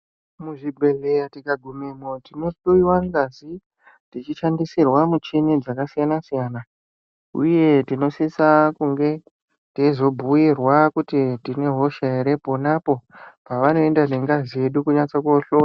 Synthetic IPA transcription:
muʐibʱe̞ɮe̞jatikaɡʱumemotino̞ɗoiwaŋɡazi | tit͡ʃiʃandisirwamut͡ʃined͡zakasijanasijaːna | ṵje̞tino̞sisakuŋɡe̞ | teizo̞bʱuirwakutitine̞ɦo̞ʃaeɾe̞po̞napo̞paʋano̞endane̞ŋɡazije̞ɗukuɲat͡sakuoɬoːa

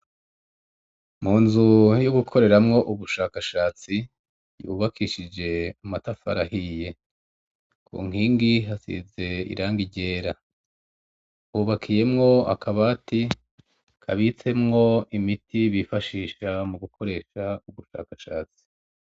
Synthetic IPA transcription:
m̥uːnzujoɡukʰo̞ɾe̞ɾamŋo̞ʔuβuʃaːkaʃaːt͡si | jṵːβakʰiʃid͡ʒe̞umatafa̰ɾahije̞ | kʰṵːŋ̥hiːŋɡiɦasḭze̞ḭɾʔaːŋɡiɟe̞ːɾa | uːβakʰije̞mŋo̞a̰kʰaβati | kʰa̰βit͡se̞mŋo̞imitiβifaʃiːʃamuɡukʰo̞ɾe̞ːʃauβuʃa̰ːkaʃaːt͡si̥

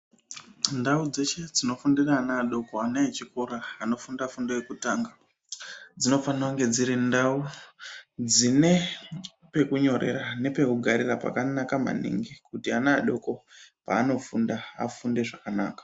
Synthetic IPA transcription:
ndaud͡ze̞t͡ʃe̞d͡zino̞fundiraːnaːɗo̞ko̞anaet͡ʃikoɾaːno̞fundafundajekutaːŋɡa | d͡zino̞fanauŋɡe̞d͡ziɾindau | d͡zine̞ | pe̞kuɲo̞ɾe̞̰rane̞pe̞kuɡʱaɾirapa̰kanakama̰nḭŋɡikutianaːɗo̞ko̞pa̰ːno̞fundaa̰funde̞ʐakana̰ːkḁ

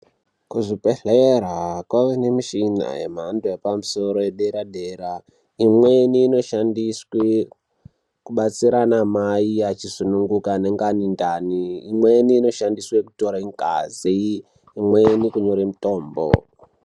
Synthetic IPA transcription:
kuʐipeɬeɾakwaʋenemiʃina̰jḛm̤andoepamuso̞ɾojeɗeɾaɗeːɾa | imweniːno̞ʃandiswe | kuɓat͡siɾanamaiat͡ʃisunuŋɡukane̞ŋɡanindaniːmweniːno̞ʃandiswekuto̞ɾaiŋka̰ziː | mwenikuɲo̞ɾemito̞ːmbo̰

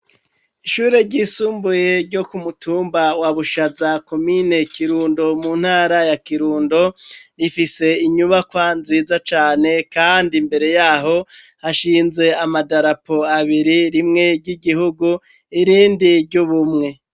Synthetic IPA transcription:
iʃuːɾe̞ɾɟisuːmbuje̞ɾɟokumutuːmbawaβuʃazako̞mine̞kiɾuːndo̞mun̥haːɾajakiɾuːndo̞ɾifise̞iɲuβakwanziːzat͡ʃaːne̞kaːndimbe̞ɾe̞jaːɦo̞ | haʃiːnze̞amadaɾapo̞aβiɾiɾimŋe̞ɾɟiɡiɦuɡu | iɾiːndiɾɟuβumŋe̞

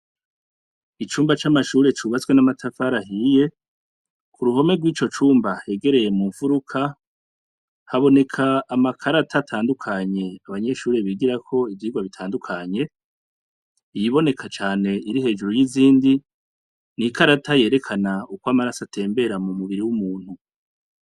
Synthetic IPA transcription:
it͡ʃuːmbat͡ʃamaʃuːɾe̞t͡ʃuβat͡swe̞namatʰafaɾaɦiːje̞ | kuɾuɦo̞me̞ɡwiːt͡ʃo̞t͡ʃuːmbahe̞ɡe̞ɾe̞je̞muːɱfuɾukʰa | haβo̞ne̞kʰaːmakʰaɾatʰatʰaːndukʰaɲe̞aβaɲe̞ʃuːɾe̞βiɡiɾakʰo̞ivjiːɡwaβitʰaːndukʰaɲe̞ | jiβo̞ne̞kʰat͡ʃaːne̞iɾiɦe̞ːd͡ʒuɾojiziːndi | nikʰaɾatʰaje̞ːɾe̞kʰanaukwamaɾasatʰe̞ːmbe̞ɾamumuβiɾiwumuːn̥hu

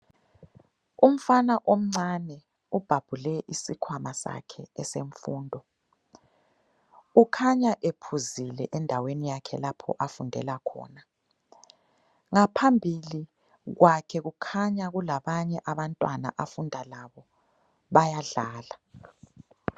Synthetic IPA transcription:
um̩fanaʔom̩ŋ͡ǀanɛ | ub̥ʱab̥ʱulɛʔisikʰwamasa̰kʰɛɛseɱfuːndʱɔ | ukʰaɲaʔepʰuzilɛ̰ʔɛndʱawenijakʰɛlapʰɔ̰ʔafundʱɛlakʰɔ̰ːna | ŋapʰambʱili | ɣwakʰɛɣukʰaɲaɣulaβaɲɛʔaβantʼwana̰ʔafundʱalaβɔ | βajaɮaːla

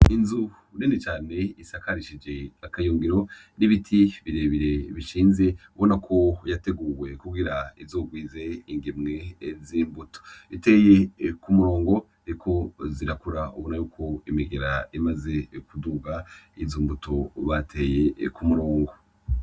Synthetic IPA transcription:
inzu | nenit͡ʃaːne̞isakaɾiʃid͡ʒe̞akajuːŋɡiɾo̞ | niβitʰiβiɾeβiɾe̞βiʃiːnze̞uβo̞nakʰo̞jate̞ɡuːwe̞kuɡiɾaivzoːɡwiːze̞iŋɡimŋe̞ziːmbuto̥ite̞jekumuɾo̞ːŋɡo̞ | aɾikʰo̞ziɾakuɾaṵβo̞najuːkʰo̞imiɡeɾaimaze̞kuduɡaizuːmbutoβatʰe̞je̞kumuɾo̞ːŋɡo̞

